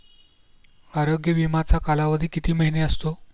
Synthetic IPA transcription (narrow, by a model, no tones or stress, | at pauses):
aɾoɡjəʋimat͡sakalaʋəd̪ʱiːkit̪iːməɦineəst̪o